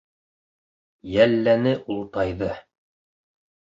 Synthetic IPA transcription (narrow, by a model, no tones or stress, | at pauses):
jælːænɘʔulˠt̪ɑjðɤ